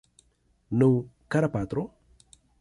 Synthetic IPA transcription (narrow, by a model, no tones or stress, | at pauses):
nəwkaɾapat̪ɾo